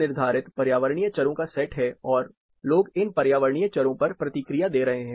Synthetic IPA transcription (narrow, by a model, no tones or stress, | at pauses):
nɪɾd̪ʱaːɾɪt̪pɐɾjaːʋəɾɳijət͡ʃɐɾõkasɛːʈɦɛɔːɾ | loːɡɪnpɐɾjaːʋəɾɳijət͡ʃɐɾõpɐɾpɾɐt̪ɪkɾijad̪eːɾɐɦeɦɛ̃ː